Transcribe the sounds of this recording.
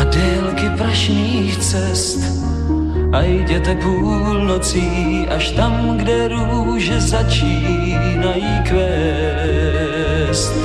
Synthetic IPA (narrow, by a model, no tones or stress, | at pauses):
adɛːlkɪpɾaʃɲiːxt͡sɛst̪ | ʔajɟɛt̪ɛpuː | lnot͡siː | ʔaʃt̪am | ɡdɛɾu | ʒɛzat͡ʃiː | najiːkvɛ | st̪